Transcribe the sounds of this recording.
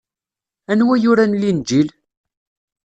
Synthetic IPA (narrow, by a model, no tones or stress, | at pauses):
ænwæjʊɾænlind͡ʒil